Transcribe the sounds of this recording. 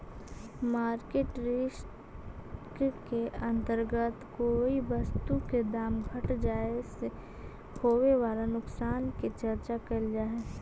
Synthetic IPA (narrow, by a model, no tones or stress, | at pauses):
maːɾkeːʈɾes | kkeɐ̃nt̪əɾɡət̪koːiʋɐst̪uked̪aːmɡʱɐʈd͡ʒaːese | hoːweʋaːlanʊksaːnket͡ʃɐɾt͡ʃakəld͡ʒaːɦeː